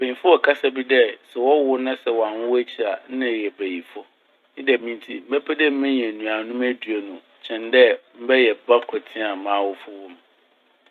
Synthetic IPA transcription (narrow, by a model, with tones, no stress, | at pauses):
b̥æ˨i˨fʊ˦ɔ˨kʰa˦sa˦bi˦dɛ˦sɛ˨wɔ˦wʊ˦nã˦sɛ˨wã˨nwʊ˦æ˦t͡ɕʰi˨a˨n̩˦nã˦˨jɛ˨bæ˨ji˨fʊ˦ | nɪ̃˦dɛ˨mĩ˦ntʰi˦m̩˦bɛ˦pʰɛ˦dɛ˦m̩˦mɛ̃˦ɲ˨ɛ̃˨nũ˨a˨nʊ̃˦mæ˦dɥe˨nʊ̃˨ | t͡ɕʰɛ̃˨ndɛ˦m̩˦bɛ˦jɛ˨ba˦kʰɔ˨tʰĩ˦a˨mãː˨˦wʊ˦fʊ˦wʊ̃˦m